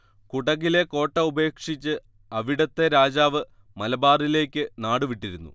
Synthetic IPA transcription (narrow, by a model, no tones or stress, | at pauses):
kuɽɐɣile̞ko̞ːʈːɐube̞ːkʂit͡ɕːɨ | ɐʋiɽɐt̪ːe̞ɾaːd͡ʑaːʋɨ | mɐlɐbaːrile̞ːkʲːɨnaːɽuʋiʈːiɾunːṵ